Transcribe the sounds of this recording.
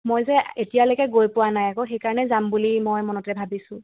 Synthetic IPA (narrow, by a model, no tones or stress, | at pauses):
mojzɛetijalojkɛɡojpʊwanajakoxejkaɹɔnɛzambulimojmɔnɔtɛbʱabisʊ̃